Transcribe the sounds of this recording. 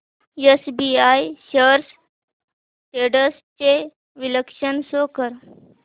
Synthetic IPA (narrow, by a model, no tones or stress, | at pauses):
jesbiajɕəɾs | ʈeɽəst͡ɕe | ʋiləkʂənsokəɾ